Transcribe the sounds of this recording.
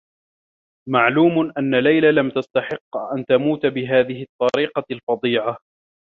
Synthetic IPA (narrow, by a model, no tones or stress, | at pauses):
maʕluːmʊnʔanːalajlalamt̪ast̪ɑħɪqːʔant̪amuːt̪bɪɦaːðɪɦɪt̪ˤːɑɾiːqɑlfɑd̪ˤiːʕa